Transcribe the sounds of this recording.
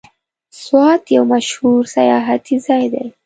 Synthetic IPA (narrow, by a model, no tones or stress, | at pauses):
swaːt̪jawmaʃhuɾsajaɦat̪ʰizajd̪a̰j